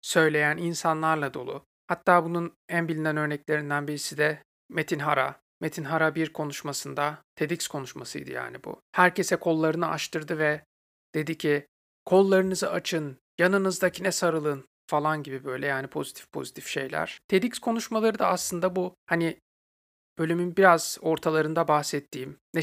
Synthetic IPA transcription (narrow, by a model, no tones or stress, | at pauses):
sø̞jlʲe̞jæninsanlˠaɾlˠad̪o̞̰lˠṵ | hat̪ʰːaːbunun | ænbilʲinænø̞ɾnɛclʲe̞ɾind̪ænbiɾisid̪ɛ | met̪ʰinɦaɾa̰ | met̪ʰinɦaɾabiɾkʰo̞nuʃmasɯnd̪at̪ʰe̞d̪icskʰo̞nuʃmasɯ̰jd̪ɯ̰ja̰ːnibṵhæɾcʰe̞sɛkʰo̞lˠːaɾɯnɯʔa̰ʃt̪ʰɯɾd̪ɯvɛ | d̪̥e̞d̪icʰi | kʰo̞lˠːaɾɯnɯzɯat͡ʃʰɯn | janɯnɯzd̪acʰinɛsaɾɯlˠɯn | falˠanɟibibø̞jlʲɛjaːnipʰo̞zit̪ʰifpʰo̞̰zit̪ʰi̥fʃe̞jlʲæ̰ɾ̝̥t̪ʰe̞d̪icskʰo̞nuʃmalˠaɾɯd̪aːslˠɯnd̪abuhani | b̥ø̞lʲymynbiɾaz̥o̞ɾt̪ʰalˠaɾɯnd̪abahsɛt̪ʰːiːmnɛ